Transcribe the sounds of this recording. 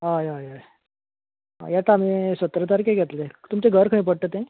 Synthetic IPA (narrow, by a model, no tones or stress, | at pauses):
ɦajaja | ɦa̰jat̪am̤isət̪ɾət̪aɾkeɡʱɛt̪let̪umt͡ɕeɡʱəɾkʰəɳ̃ip̬əɽʈ̪ət̪ẽ